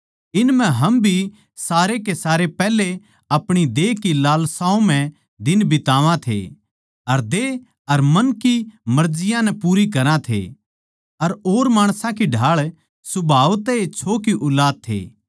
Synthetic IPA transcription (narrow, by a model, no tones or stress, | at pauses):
ɪnmɛ̃ɦɐmbʱi | saːɾekesaːɾepɛːle | ɐpɽ̃id̪eːkilaːlsaːõm̤ɛ̃ | d̪ɪnbɪt̪aːʋãt̪ʰḛ | ɐɾd̪eː | ɐɾmɐnkimɐɾd͡ʒɪjãnɛpuːɾikɐɾãt̪ʰḛ | ɐɾoːɾmaːɽ̃sãkiɖʱaːɭ | sʊbʱaːʋt̪ɛet͡ʃʰoːkiʔʊlaːd̪̚t̪ʰḛː